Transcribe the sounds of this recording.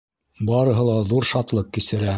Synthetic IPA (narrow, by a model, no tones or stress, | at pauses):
bɑɾɤ̆ɦɤ̆lˠɑðuɾʃɑt̪lˠɤqkisɘ̆ɾæ